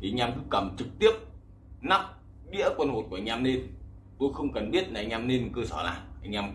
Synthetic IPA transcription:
ɲaː˧mkɨ˧˦kːə˨˧˩mt͡ɕɨ˨˩k̚t̪i˦˥əp̚ | na˦˥p̚ | ɓḭ˧˥əkwə˧nho˨˩t̚ku˧˩˨ŋɲaː˧mne˧nt̪u˧əxə˧wŋ͡mkə˨˩nɓi˦˥ət̚laː˨˩ʔa˧jɲaː˧mne˧nkəː˧sə˧˩la̰ː˨˩ʔa˧jŋ̟ɲaː˧m

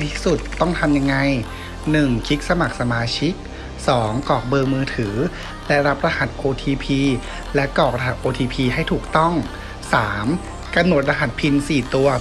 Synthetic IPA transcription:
t̪ʰi̥ː˥˩su˨˩t̪ːɔ˥˩ŋt̪ʰa˧mja˧ŋːa˧j | nɯ˨˩ŋkʰi˦˥k̚sa˧ma˨˩k̚sa˧maː˧t͡ɕʰi˦˥k̚ | sɔː˩˦ŋkɔː˨˩k̚bɤː˧ŋmɯː˧t̪ʰɯː˩˦ | lɛ˦˥ɾa˦˥p̚ɾa˧ha˨˩t̪̚ʔoː˧t̪ʰiː˧pʰiː˧ | lɛ˦˥kɔː˨˩k̚ɾa˧ɦa˨˩t̪̚ʔoː˧t̪ʰiː˧pʰiː˧ɦa˥˩jt̪ʰuː˨˩k̚t̪ɔ˥˩ŋ | saː˩˦m | ka˧mno˨˩t̪̚ɾa˧ɦa˨˩t̪̚pʰi˧nsiː˨˩t̪u˧ɐ

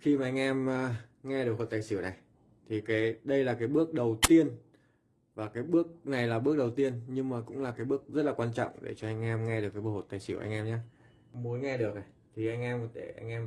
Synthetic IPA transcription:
xi˧maː˨˩ʔa˧jŋ̟ʔɛ˧mː˧ | ŋɛ˧ɗɨ˨˩ək̚ɦo˨˩t̪̚ːjsi˧˩əwna˨˩j | t̪ʰi˨˩kaː˨˦jɗə˧jlaː˨˩kaː˨˦jɓɨ˦˥ək̚ɗə˨˩wt̪i˧ən | vaː˨˩kaː˨˦jɓɨ˦˥ək̚na˨˩jlaː˨˩ɓɨ˦˥ək̚ɗə˨˩wt̪i˧ənɲɨ˧ŋmaː˨˩kʊ̰˧˥ŋ͡mlaː˨˩kaː˨˦ɓɨ˦˥ək̚zə˦˥t̚laː˨kwaː˧nt͡ɕɔ̰˧˨wŋ͡mɗḛ˧˩t͡ɕɔ˧ʔa˧jŋ̟ʔɛː˧mŋɛ˧ɗɨ˨˩kaː˨˦jɓo˧˩ho˨˩t̚t̪aː˨˩jsi˧˩əwʔa˧jŋ̟ʔɛː˧mɲaː˨˦ | mo˨˦nŋɛ˧ɗɨ˨˩ək̚a˨˩j | t̪ʰi˨˩ʔa˧jŋ̟ʔɛː˧m˧t̪e˧˩ʔa̰˧jŋ̟ʔɛ˧m

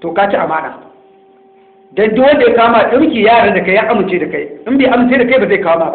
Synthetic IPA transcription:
toː˨ka˦t͡ʃi˦ʔa˨maː˦na̰ː˨ | dɔ˦ndʊ˦wɐ˦nde˨ja˦kaː˦maː˨ɗɪ˦mkʲiː˨jaː˦˨ɽa˨da˨ka˦jjaː˦ʔa˦mɪ˨nt͡ʃeː˦da˨ka˦jʔɪ˦mbeː˨ʔa˨mɪ˨nt͡ʃeː˦da˨ka˦baː˨za˦˨kaː˦wa˦maː˦˨ba˦

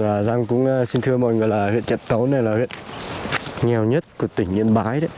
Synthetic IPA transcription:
aː˨˩za˧ŋkʊ̰˧˥ŋ͡msi˧nt̪ʰɨ˧əmɔ̰˧˨jŋɨ˨˩əjlaː˨˩hwḭ˧˨nt͡ɕɛ̰˧˨tt̪ə˨˦wna˨˩jlaː˨˩hwḭ˧˨ən | ŋɛ˨˩wɲə˦˥t̚ku˧˩ət̪ï˧˩ŋ̟ɲi˧ənɓaː˨˦jɗə˨˦

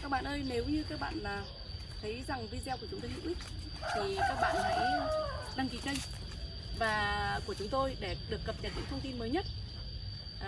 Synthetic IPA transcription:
ka˦˥k̚ɓa̰ː˧˨nʔəː˧jne˨˦wɲɨ˧kaː˦˥k̚ɓa̰ː˧˨nlaː˨˩ | t̪ʰə˨˦jza˨˩ŋvi˧zɛ˧ku˧˩ət͡ɕʊ˨˦ŋ͡mt̪o˧jzṵ˧˥ʔi˦˥k̚ | t̪ʰi˨˩kaː˦˥k̚ɓa̰ː˧˨nla̰˧˥jɗa˧ŋki˨˦kə˧jŋ | vaː˨˩ku˧˩ət͡ɕʊ˨˦ŋ͡mt̪o˧jɗe˧˩ɗɨ˨˩əkːə˨˩p̚ɲə˧˩t̚ɲɨ̰˧˥ŋt̪ʰə˧wŋ͡mt̪i˧nməː˨˦jɲə˦˥t̚

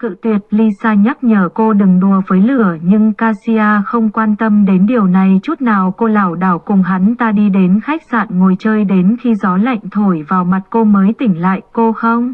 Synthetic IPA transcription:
kɨ̰˧˨t̪wi˨˩ət̚li˧saː˧ɲə˦˥t̚ɲəː˧˩ko˧ɗɨ˨˩ŋɗu˧˩əvəː˨˦jlɨ˧˩əɲɨ˧ŋkaː˧si˧aː˧xə˧wŋ͡mkwaː˧nt̪ə˧mɗe˨˦nɗi˨˩əwna˨˩jt͡ɕu˦˥t̚naː˨˩wko˧laː˧˩wɗaː˧˩wkʊ˨˩ŋ͡mɦa˨˦nt̪aː˧ɗi˧ɗe˨˦nxa˦˥jk̟̚sa̰ː˧˨nŋo˨˩jt͡ɕəː˧jɗe˨˦nxi˧zɔ˨˦la̰˧˨jŋ̟t̪ʰo˧˩jvaː˨˩wma˨˩t̚ko˧məː˨˦jt̪ï˧˩ŋ̟la̰ː˧˨jko˧xə˧wŋ͡m

